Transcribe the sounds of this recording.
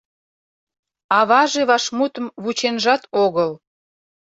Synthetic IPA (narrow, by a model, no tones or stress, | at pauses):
ɑβɑʒeβɑʃmut̪əmβut͡ɕenʒɑt̪oɣəl